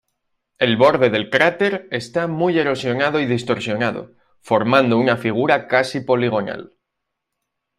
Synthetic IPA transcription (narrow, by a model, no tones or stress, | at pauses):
e̞lβo̞ɾð̞e̞ð̞e̞lkɾat̪e̞ɾe̞st̪amuje̞ɾo̞sjo̞nað̞o̞ið̞ist̪o̞ɾsjo̞nað̞o̞̰ | fo̞ɾmãnd̪ounafiɣ̞uɾakasipo̞liɣ̞o̞na̰l